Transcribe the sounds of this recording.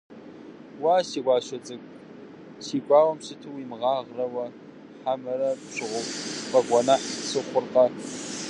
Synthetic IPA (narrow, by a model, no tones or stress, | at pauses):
waːsiːɡʷɑːʃɐt͡sʼɨkʼ | siːkʷʼɑːwɐmɕɨtʰɨwiːmʁɑːʁrɐwɐ | ħamɐɾɐpɕɨʁʷʊpʼqɐkʷʼɔnɐħsɨχʷʊrqɐ